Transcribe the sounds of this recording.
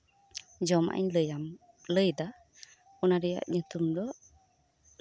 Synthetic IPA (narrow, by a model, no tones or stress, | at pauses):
d͡ʒɔma̰ʔa̰ɲləjam | ləjd̪a | ɔnaɾɛja̰ʔɲut̪umd̪ɔ